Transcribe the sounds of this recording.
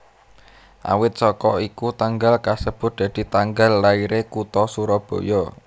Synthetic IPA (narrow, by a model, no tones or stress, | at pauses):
ʔa̰wɪt̪̚sɔkɔikut̪aŋɡalkasəb̥ʊ̤t̪̚d̪̥ä̤d̪̥i̤t̪aŋɡalːaiɾekut̪ɔsuɾɔb̥o̤jɔ